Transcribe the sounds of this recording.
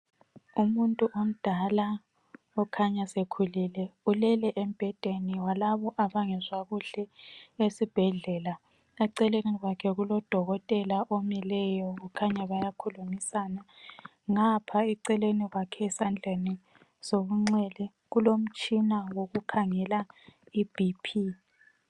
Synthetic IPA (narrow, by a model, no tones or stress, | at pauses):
umuntʼuʔom̩d̥ʱala | ɔkʰaɲasekʰulilɛulɛlɛʔem̩b̥ʱɛd̥ʱeniwalaβɔʔaβaŋɛzwaɣuɬɛesib̥ʱɛɮɛla | ɛǀɛleniɣwakʰɛɣulɔd̥ʱɔɣɔtʼɛlaʔomilɛjɔɣukʰaɲaβajakʰulumisana | ŋapʰaɛǀɛleniɣwakʰɛsand͡ɮʱeni | soɣuŋ͡ǀɛlɛ | ɣulom̩t͡ʃʼinawoɣukʰaŋɛlaib̥ʱipʰi